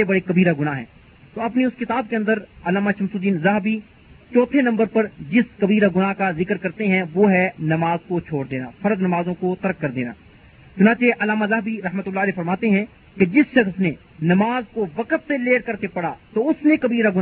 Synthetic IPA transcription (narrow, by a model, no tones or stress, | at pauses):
ebɐɽekɐbiːɾaɡʊnaɦɛ̰̃ː | t̪oːɐpneʊskɪt̪aːb̚keɐ̃nd̪əɾɐlaːmaʃɐmsud̪iːnzɐɦbi | t͡ʃɔːt̪ʰenɐ̃mbəɾpɐɾd͡ʒɪskɐbiːɾaɡʊnakazɪkɾkɐɾt̪eɦɛ̃ʋoːɦɛnɐmaːzkot͡ʃʰoːɽd̪eːna̰ːfɐɾəd̪nɐmaːzõkot̪ɐɾəkːɐɾd̪ḛːna̰ː | t͡ʃʊnaːt͡ʃeʔɐlaːmazɐɦbiɾɐɦmət̪ʊlːaːlɛːfɐɾmaːt̪eɦɛ̃ | ked͡ʒɪsʃɐxsne | nɐmaːzkoʋɐkət̪seleːɽkɐɾkepɐɽat̪oʊsnekɐbiːɾaɡʊn